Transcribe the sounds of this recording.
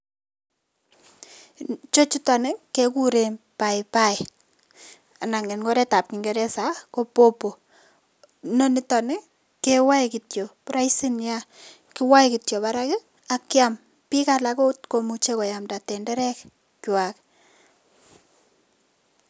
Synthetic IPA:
t͡ʃo˦t͡ʃi˦tɔ˨nɪ˦kːe˦ku˦ɾe˨pa˨ɪpa˦ɪ | a˨na˨ŋe˨nŋɡo˦ɾe˦ta˨p̚ki˨ŋɡeɾɛ˦sa˦ko˦po˦po˨ | no˦nɪ˦tɔ˨nɪ˦ | kewa˦jki˨tjo˨pɾa˦isi˦nja˦ | kɪ˦wa˦jkitjo˨pa˦ɾakɪ˦ | akːɪa˦m | pi˦kalako˦tko˨mut͡ʃe˦ko˨ja˨mda˨tɛ˨ndɛ˦ɾɛ˦k | kwa˨k

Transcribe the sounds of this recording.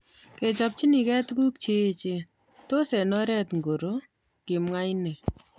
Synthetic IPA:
ke˨t͡ʃɔ˨p̚t͡ʃi˦ni˨kɛ˦tku˦k̚t͡ʃeː˦˨t͡ʃe˦ | to˦sɛ˨nɔ˦ɾɛ˦t̪ŋɡo˨ɾo˦ | kɪ˨mŋa˦jne˨

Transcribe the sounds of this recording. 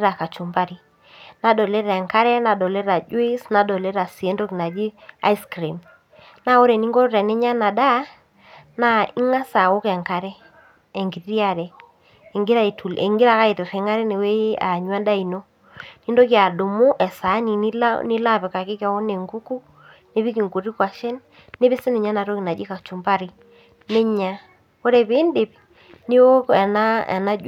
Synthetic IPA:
ɾa˨ka˨t͡ʃu˨mba˦ɾi˦ | na˨dɔ˨lɛ˦ɾɛ˨ŋka˦ɾɛ˦na˨dɔ˨lɛ˦ɾa˨d͡ʒwe˦sna˨dɔ˨lɛ˦ɾa˨si˨e˦ndo˦ki˨na˨d͡ʒi˦a̰˦i˦skɾi˨m | na˦o˦ɾɛ˨ni˦ŋɡɔ˦ɾɛ˨nɛ˦ɲa˦na˨da˦ | na˦i˦ŋa˦sa˨o˦kɛ˨ŋka˨ɾɛ˦ | ɛ˨ŋɡi˨ɾi˦a˦˨ɾɛː˨ | ŋɡɪ˦ɾa˦i˨tʰu˨lḛ˨ŋɡɪ˦ɾa˦˨ka˦i˨tɪ˨ɾe˨ŋa˦ɾɛ˦ne˨we˦a̰˨ɲwa˦nda˦i˨no˦ | ni˦ndo˦kja˨dʊ˨mʊ˦ʔɛ˨sa˨˦ni˨ni˦lnɪ˦la˦pɛ˨ka˨kɪ˦ka˨wo˦ne˨ŋɡu˦ku˦ | ne˦bi˦k̬i˨ŋku˨ri˦kwa˨ʃɛ˦n | nːe˦bɪ˦sɪ˦ne˨ɲa˦na˨ɾo˦ki˨na˨d͡ʒi˦ka˨t͡ʃu˨mba˦ɾi˨ | ne˦ɲa˨ | o˦ɾɛ˨be˦nde˨p̚ | ne˦wo˦kɛ˨na˦ɛ̰˨na˦d͡ʒ

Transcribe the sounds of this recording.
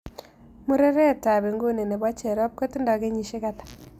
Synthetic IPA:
mu˦ɾe˦ɾe˦˨ta˨be˨ŋɡo˦ne˨ne˨ba˦t͡ʃe˨ɾɔ˦p̚ko˦ti˦ndɔ˨ke˦ɲi˨ʃe˦ka˦tḁ˨

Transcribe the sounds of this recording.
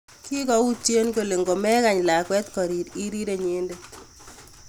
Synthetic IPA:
ki˦kɔ˦u˦t͡ʃje˦nko˨le˨ŋɡo˨mɛ˦ka˨ɲla˨kwɛ˦t̪kɔ˨ɾi˨ɾi˦ɾi˦ɾe˨ɲe˦nde˦t

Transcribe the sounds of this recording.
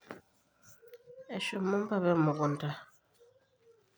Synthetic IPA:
ɛ˨ʃo˨mo˦m˦pa˦˨βɛ˦mu˨kɔ˨nta˦

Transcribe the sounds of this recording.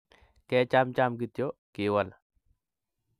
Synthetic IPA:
kɛː˦t͡ʃa˦mt͡ʃaː˦mɡit̪jokiː˨wala

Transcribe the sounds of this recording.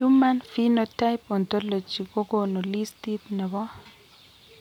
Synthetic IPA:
u˦ma˦nfi˦no˦ta˦jpo˨nt̪o˦lo˨t͡ʃi˨ɡo˦ɡo˦no˨li˦sti˦t̪nɛ˨bɔ˦

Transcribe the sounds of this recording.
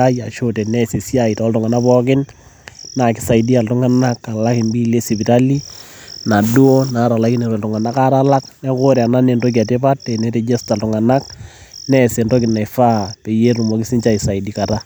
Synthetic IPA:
a˦ja˨ʃo˦te˨nɛ˦se˨sja˦ɪ˨tɔ˦ltʊ˨ŋa˨na˦pɔ˦kɪ˦n | na˨kɪ˨sa˨jdi˦a˨ltʊ˦ŋa˦na˦kːa˨la˦kɪ˨nbi˦le˦si˨bi˨ta˦li˦na˨du˦o˦na˨˦ɾa˨la˦kɪ˦ne˨ɾe˨ltʊ˨ŋa˨na˦ka˦ɾa˦la˦knɛ˦kʊ˦ɾɛ˨a˨na˦ne˨ndo˦k̬ia˨tɪ˦pa˦tːe˨ne˦te˨d͡ʒe˦sta˨ltʊ˨ŋa˨na˦k | nɛ˦se˨ndo˦kɪ˨nːa˨ɪ˨fa˦pe˨je˦tu˨mo˨kɪ˦sɪ˦nt͡ʃa˦i˨sa˨ɪ˨di˦ka˨ta˦

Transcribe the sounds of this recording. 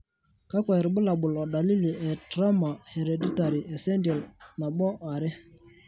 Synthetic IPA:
ka˦kʷa˨ɪ˨ɾɓə˦la˨ɓʊ˨lɔ˨da˨li˦li˨ɛ˨dɾa˦ma˨he˨ɾe˨di˦ta˨ɾi˨ɛ˨sɛ˦ndjɔ˨lna˨ɓɔ˦ʔa˨ɾɪ˦

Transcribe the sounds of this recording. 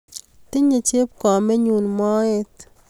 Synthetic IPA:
tɪ˦ɲe˨t͡ʃe˦p̚kɔ˨mɛ˦ɲu˨nmɔ˦e˦t̪

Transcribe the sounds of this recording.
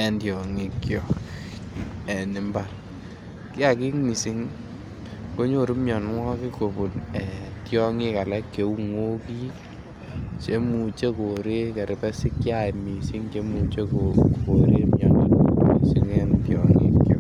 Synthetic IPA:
ɛ˦ndjɔ˨ŋi˦kːjɔ˨ | ɛ˨nɪ˨mba˨r | kɪ˦a˦ki˦ŋmi˨si˦ŋ | ko˦ɲo˦˨ɾu˦mjɔ˨nŋɔ˦ki˦ko˨bu˨nɛ˨tjɔ˦ŋi˦ka˨lɛ˦kːe˨u˦ŋwo˦ki˦ | t͡ʃe˦mu˨t͡ʃe˦ko˨ɾe˦ke˨ɾɪ˨pɛ˦sɪ˦kːja˨mi˨si˦ŋt͡ʃe˦mu˨t͡ʃe˦ko˨koɾe˦mɲɔ˨n̰˦ḭ˨si˦ŋɛ˦ndjɔŋḭ˦kjɔ̰˦

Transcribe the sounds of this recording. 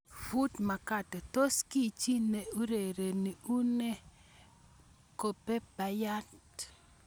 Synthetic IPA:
fu˦tma˨ka˦˨tɛ˨to˦ski˦˨t͡ʃi˦ne˨u˦ɾe˨ɾe˨ni˨u˦ne˦ | ko˨pe˦pa˨ja˦t

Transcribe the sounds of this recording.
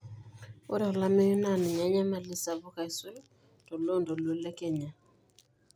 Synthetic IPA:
o̰˦ɾɛ˨ɔ˨la˦me˦ju˦na˦˨nɛ˨ɲa˨˦ɲa˦ma˨lɪ˦sa˨βɔ˦ka˨i˨se˦l | tɔ˨lo˦˨ndɔ˨lo˦lɛ˦kɛ˨ɲa˨

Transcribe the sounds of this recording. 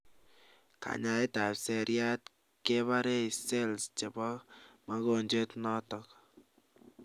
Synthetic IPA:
ka̰˨ɲa˨jta˨pse˨ɾja˦t̚ | ke˦βa˦ɾe˦i˨se˦lst͡ʃe˨bɔ˦ma˦ko˨ɲd͡ʒe˦tnɔ˦tɔ˨k

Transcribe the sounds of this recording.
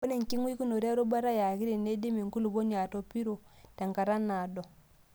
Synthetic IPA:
o˦ne˨ŋ˨ki˦ŋwi˦ku˦no˨ɾi˦a˦ɾo˦ba˦ɾa˦ja˨ki˦ɾi˨ne˦di˦mi˨ŋku˦lu˨bo˦ɲa˨to˨pi˦ɾo˨ | ta˨ŋka˨ɾa˦na˨dɔ˨

